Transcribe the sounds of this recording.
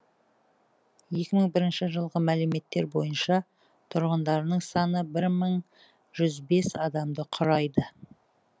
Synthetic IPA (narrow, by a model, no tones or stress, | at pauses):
je̞kʲɪməŋbɪɾɪnʃɪʒəlˠʁəmælume̞t̪ːe̞ɾbo̞̰jənʃɑ | t̪ʰʊɾʁənd̪ɑɾənəɴsɑnəbɪɾməɴ | ʒʏzbe̞sɑd̪ɑmd̪əqʰʊɾɑjd̪ə